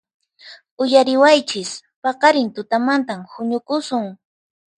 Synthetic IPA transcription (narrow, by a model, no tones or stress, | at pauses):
ʊjaɾɪwajt͡ʃɪspɑqɑɾɪnt̪ʊt̪amant̪amhʊɲʊkʊsʊŋ